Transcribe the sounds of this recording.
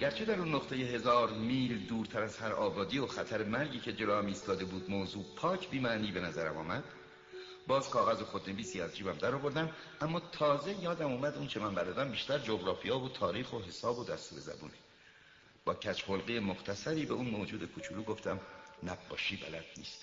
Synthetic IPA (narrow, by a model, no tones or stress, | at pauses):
ɟæɾt͡ʃʰe̞d̪æɾunːoqt̪ʰe̞jeɦe̞zɒːɾmiːld̪uːɾt̪ʰæɾæz̥hæɾɒːbɒːd̪iːoxæt̪ʰæɾemæɾɟiːcʰe̞d͡ʒe̞lɒːæmiːst̪ɒːd̪e̞buːd̪̚mozuːpʰɒːcʰbiːmæniːbe̞næzæɾæmɒ̰ːmæd̪̥ | bɒːz̥kʰɒːɣæzoxo̞d̪ne̞viːsiːæzd͡ʒiːbæmd̪æɾɒːvo̞ɾd̪æm | ʔæmːɒːt̪ʰɒːze̞jɒːd̪æmuːmæd̪unt͡ʃʰe̞mænbæɾd̪ɒːd̪æmbiːʃt̪æɾd͡ʒoɡɾɒːfijɑːvot̪ʰɒːɾiːxo̞ɦe̞sɒːbod̪æst̪uːɾe̞zæ̰bṵːni | b̥ɒːcʰæt͡ʃʰholɣijemoχt̪ʰæsæɾiːbe̞unmod͡ʒuːd̪e̞kʰot͡ʃʰuluːɡo̞ft̪æmnæbːɒ̰ːʃiːbæ̰læd̪̥̚nḭːst̪